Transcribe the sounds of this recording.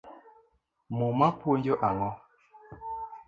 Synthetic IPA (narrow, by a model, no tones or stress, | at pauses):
mumapwond͡ʒoʔaŋɔ